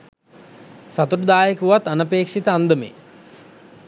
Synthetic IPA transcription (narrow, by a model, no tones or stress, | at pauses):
sat̪uɾud̪aːjəkuʋat̪ːanəpeːkʂit̪əand̪əmḛ